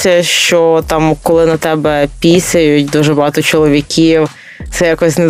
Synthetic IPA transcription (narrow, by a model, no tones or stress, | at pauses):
sʲɐʃt͡ʃɔt̪ɑmkɔlˠɪnɐt̪ɛbɛpʲisʲɐjʊt̚ʲd̪uʒɛbɐɦɑt̪ɔt͡ʃɔlˠɔʋʲikʲiw | t̪sɛjakɔsʲnɛ